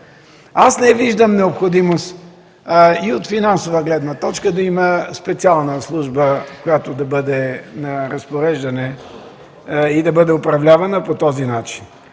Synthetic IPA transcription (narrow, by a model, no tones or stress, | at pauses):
asnɛviʒd̪əmnɛopxod̪imost̪ | iot̪finansovəɡlɛd̪nət̪ɔt͡ʃkəd̪ɐiməspɛt̪sialˠnəslˠuʒbəkojat̪od̪ɐbɤd̪ɛnɐɾɐspoɾɛʒd̪ɐnɛ | id̪ɐbəd̪ɛʊpɾɐvlʲavɐnəpot̪ɔzinat͡ʃin